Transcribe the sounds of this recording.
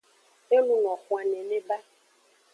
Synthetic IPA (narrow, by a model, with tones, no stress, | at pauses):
e˦nũ˦ŋɔ̃˨xũ˨a˨ne˨ne˦ba˦